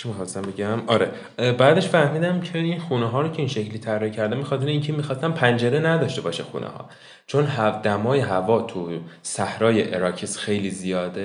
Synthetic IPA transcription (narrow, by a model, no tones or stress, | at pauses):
mixɒːst̪æmbe̞ɟæmɒːɾe | bæːd̪eʃfæhmiːd̪æmcʰe̞inxuneɦɒːɾocʰe̞inʃecʰliːt̪ʰæɾɒhecʰæɾd̪æmbexɒːt̪e̞ɾeiːŋcʰemixɒːst̪ænpʰænd͡ʒe̞ɾe̞næd̪ɒːʃt̪e̞bɒːʃexṵːnʔḛhɒ̰ː | t͡ʃʰo̞nhæd̪æmɒːje̞ɦævɒːt̪ʰusæhɾɒːjeʔeɾɒːcʰiːsxe̞jliːzijɒːd̪e